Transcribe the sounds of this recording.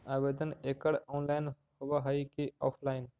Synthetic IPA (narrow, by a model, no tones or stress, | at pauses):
aːʋeːd̪əneːkəɽoːnlaːɪn | hʊʋaɦaikeɔːpʰlaːɪn